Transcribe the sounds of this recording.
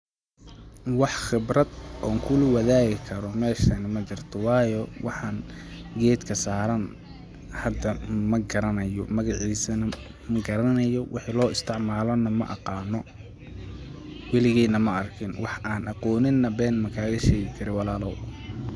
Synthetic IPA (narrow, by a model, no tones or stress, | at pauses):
wɑħχɪbrɐd̪ʔɔːŋkʰʊlʊwɑðaːɣɪkʰɐɾɔmɛːʃɐnɐmɐt͡ʃɪrt̪ʰɔwɑːjɔwʔɑħɑːŋ | ɡɛːd̪kʰɐsaːɾɐn | hɐd̪ːɐmɐɡɐɾɐnɐjɔ̰mɐɣɑʕiːsɐnɐ | mɐɡɐɾɐnɐjɔwɪħilɔːɪst̪ʰɪʕmaːlɔnɐmɐ̰ʔɑ̰qɑːnɔ | wɪlɪɣɛːnɐmɐɐrkʰɪnwɑħʔaːnʔɑqɔːnɪnːɐbɛːnmɐkʰaːɣɐʃɛːɣɪkʰɐɾɪwɑlaːlɔw